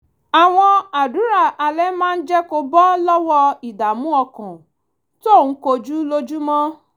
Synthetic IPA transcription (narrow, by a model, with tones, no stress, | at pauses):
a˨w̃ɔ̃˧a˨du˨˦ɾa˦˨a˧lɛ˦mãː˦˧n̩˦d͡ʒɛ˦ko˧bɔ˦lɔ˦wɔ˧i˨da˨mũ˦ɔ˧kɔ̃˨ | to˦˨nũ˨˦ko˧d͡ʒu˦lo˦d͡ʒu˦mɔ̃˦